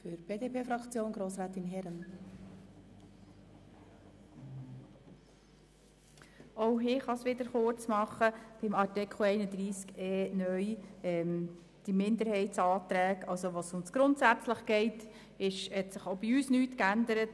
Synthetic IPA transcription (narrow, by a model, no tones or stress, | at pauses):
fyɾb̥eːdeːpʰeːfɾɑkt͡sjoːnɡɾoːsɾɛːt̪inɦɛɾən | oʊɦɪːχɑsʋɪd̪əɾχʊɾt͡smɑχːəb̥ɪmɑtɪkʰl̩ɛɪnəd̪ɾiːskeːnœʏɛːm | d̥imɪnd̪əɾhɛɪtsɑːt̪ɾæːkɑlsoʋosʊnsɡ̥ɾʊntsæt͡sləχɡɛɪt | ɪʃhɛtsəχobiyːsnyːtkænd̪əɾət